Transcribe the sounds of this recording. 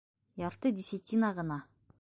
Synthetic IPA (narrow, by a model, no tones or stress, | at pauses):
jɑɾt̪əd̪ʲisʲit̪ʲʰinɑʁɤ̆nɑ